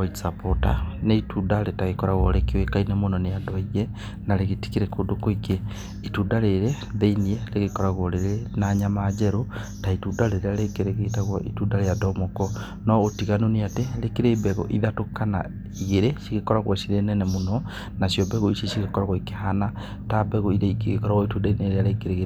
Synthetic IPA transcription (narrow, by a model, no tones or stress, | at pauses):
aisapota̰neitudaɾetaɣekɔɾaɣwɔɾekewekainemonɔneadwɔiɣɛ | naɾeɣeti̥kiɾɛkodokoike | itudaɾeɾe | ðeiniɛleɣekɔɾaɣwɔɾeɾenaɲamad͡ʒɛɾotaitudaɾeɾealekeɾeɣetaɣwɔ̰ʔitudaɾejadɔmɔkɔ | nɔotiɣanoneateɾekeɾebɛɣɔ̰ʔiðatokana̰ | iɣeɾeʃiɣekɔɾaɣwɔsiɾenɛnɛmonɔ | nasjɔbɛɣoisesiɣekɔɾaɣwɔikeɦana | tabɛɣoiɾeikeɣekɔɾaɣwɔitudaineɾeaɾekeɾeɣe